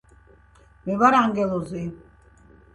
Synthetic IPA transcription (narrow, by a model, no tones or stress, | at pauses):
mɛβaɾaŋɡɛlɔzi